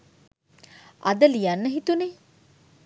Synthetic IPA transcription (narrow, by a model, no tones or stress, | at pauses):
ad̪əlijanːəɦit̪une